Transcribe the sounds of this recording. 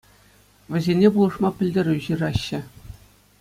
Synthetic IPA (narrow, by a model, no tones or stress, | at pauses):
ʋʲɘ̆zʲenʲepulˠɤ̆ʂmɑpʲɘ̆lʲdʲeɾʲuʑirɑɕːɘ̆